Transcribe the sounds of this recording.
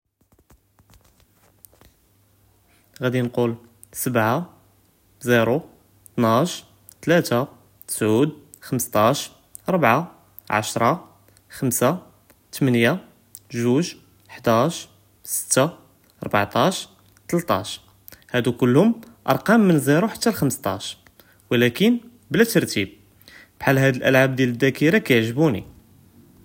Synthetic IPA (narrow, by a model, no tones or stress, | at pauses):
ɣæd̪inqul | səbʕa | ziɾu | t̪nʕaʃ | t̪læt̪a | t̪ə̥sʕud̪ | xəməst̪ˤɑʃ | ɾˤbʕa | ʕa̰ʃɾˤɑ | xəmsa | t̪mənja | ʒuʒ | ħd̪æʃ | sə̥t̪ːa | ʔɑɾˤbaʕt̪ˤɑʃ | t̪əlt̪ˤɑ̰ʃ | hæd̪ukʊlːhʊmʔɑ̰ɾˤqɑmːənzˤiɾuħḁt̪ːælxəməst̪ˤɑ̰ʃ | wəlækən | blæt̪əɾˤt̪ib̚ | b̥ħalːɦæd̪əlʔəlʕab̚d̪jæləd̪ːækiɾakæjəʕʒəbunḭ